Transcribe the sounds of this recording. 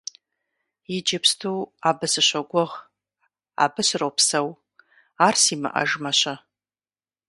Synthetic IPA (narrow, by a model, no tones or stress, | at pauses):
jɪd͡ʒɪpʰstʰuːaːbɨsɨɕʷɐɡʷɔʁ | a̰ːbɨɕrowpʰsɐw | aːrsiːmɨ̰ʔɐ̰ʒmɐɕɐ